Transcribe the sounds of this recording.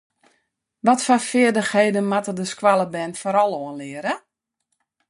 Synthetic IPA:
ʋɔtfafɪədəxheːdənmatədəskwalˠəbɛnfoɾɔlˠoənlɪəɾə

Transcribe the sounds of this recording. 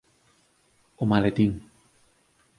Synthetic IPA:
omalet̪iŋ

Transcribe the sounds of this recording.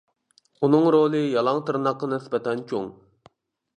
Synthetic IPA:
unɨŋɾolˠɨjɑlˠɑŋt̪ʰɨɾnɑqːənɨnɪsbɛt̪ʰɛnt͡ʃʰo̰ŋ

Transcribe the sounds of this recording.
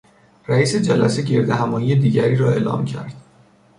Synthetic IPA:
ræiːse̞d͡ʒælæse̞ɟe̞ɾd̪æɦæmɒːjije̞d̪iːɟæɾiːɾɒːe̞ːlɒ̰ːmcʰæ̰ɾd̪̥

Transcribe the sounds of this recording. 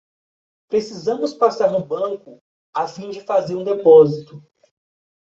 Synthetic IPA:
pɾesizɐ̃mʊspasaɾnʊbɐ̃kʊ | afĩd͡ʒɪfazeɾũd̪epɔzit̪ʊ

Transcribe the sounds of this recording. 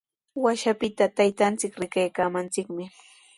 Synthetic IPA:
waʃapɪt̪at̪ajt̪ant͡sɪkɾɪkajkaːmant͡sɪkmɪ

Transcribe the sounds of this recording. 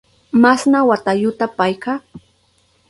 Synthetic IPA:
masnawat̪aʎʊt̪apajkaː

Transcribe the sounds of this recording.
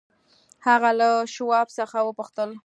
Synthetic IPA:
haɣalaʃwɑbsəxawəpʊxt̪əl

